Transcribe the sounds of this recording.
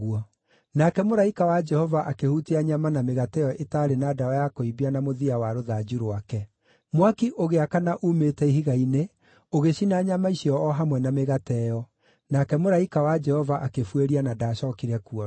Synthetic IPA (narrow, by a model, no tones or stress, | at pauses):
uɔ | nakɛmoɾaikawad͡ʒɛhɔvaʔakehutiaɲamanameɣatɛjɔʔetaɾenaːdaɔjakoibianamoðiawaɾoðad͡ʒuɾowakɛ | mwakiʔoɣeakanaʔumetɛihiɣaine | oɣeɕinaɲamaisiɔːɦamwɛnameɣatɛjɔ | nakɛmoɾaikawad͡ʒɛhɔvaʔakefweɾianadaɕɔkiɾɛkuɔ